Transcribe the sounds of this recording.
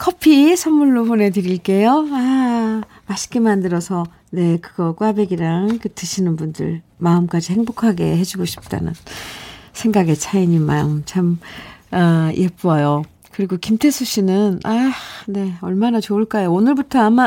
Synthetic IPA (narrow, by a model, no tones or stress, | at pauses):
kʰʌpʰisʰʌmmuɭːopone̞dɯɾiɭk͈e̞joa | maɕʰi̥k͈emandɯɾʌsʰʌ | ne̞kɯɡ̥ʌk͈wabe̞ɡiɾaŋkɯtɯɕʰinɯnbundɯ̰ɭmaɯmk͈ad͡ʑihe̞ŋbokʰaɡe̞̰he̞d͡ʑuɡoɕʰi̥p̚t͈a̰nɯ̰n | sʰe̞ŋɡaɡe̞t͡ɕʰaiɲimaɯmt͡ɕʰamaj̰ep͈uʌjo | kɯɾiɡokimtʰe̞sʰuɕ͈ʰinɯnane̞ʌɭmanat͡ɕoɯɭk͈ajoonɯɭbutʰʌama